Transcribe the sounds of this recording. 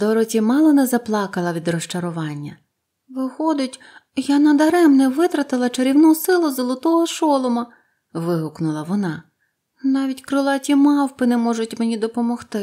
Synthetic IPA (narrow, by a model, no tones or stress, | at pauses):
d̪ɔɾɔtʲimɑlˠɔnɛzɐplˠɑkɐlˠɐʋʲid̪rɔʃt͡ʃɐɾʊʋɑnʲːɐ | ʋɪxɔd̪ɪtʲ | janɐd̪ɐɾɛmnɛʋɪt̪ɾɐt̪ɪlˠɐt͡ʃeɾʲiwnusɪlˠʊzɔlˠɔt̪ɔɦɔʃɔlˠɔmɐ | ʋɪɦʊknʊlˠɐʋɔnɑ | nɑʋʲitʲkɾʊlˠɑtʲimɑwpɪnɛmɔʒʊtʲmenʲid̪ɔpɔmɔxt̪ɪ